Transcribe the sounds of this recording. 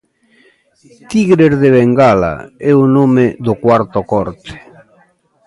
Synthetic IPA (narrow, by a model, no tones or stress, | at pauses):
t̪iɣɾeɾðeβeŋɡala̰ɛunomed̪okwaɾt̪okɔɾt̪e̥